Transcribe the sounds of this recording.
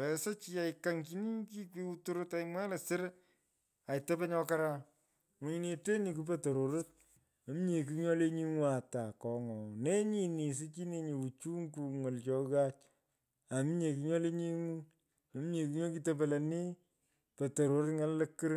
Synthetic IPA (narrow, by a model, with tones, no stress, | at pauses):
ɛ˨sa˦t͡ʃi˦a˨ɪka˨˦ŋki˦ni˦ki˦kwi˦u˦tu˦ɾo˦ta˨ɪmwɛ˦le˨sɪ˦ɾ | a˨i˨tɛ˦pe˦ɲɔ˦ka˦ɾa˦ | ŋu˨ɲi˨ne˨te˦ni˨k̬u˦p̬e˦to˨ɾo˨ɾə˦t̚ | a˨˦m˦ɲe˨k̬u˦ɲɔ˦le˦ɲi˦ŋu˦a˨ta˨kɔ˨ŋɔ˨ne˦ɲi˨ni˨s̬i˦t͡ʃi˦ne˦ɲi˨u˨t͡ʃu˦ŋku˨˧ŋo˨lt͡ʃɔ˦ɣa˦t͡ʃ | a˨m˦ɲe˨ku˧ɲɔ˦le˦ɲi˦ŋu˦ | o˨˦m˦ɲe˨ku˦ɲɔ˦ki˦tɛ˦p̬e˨le˨ni˦ | pe˨to˨ɾo˨ɾə˦tŋa˦llə˦kːɨ˦ɾ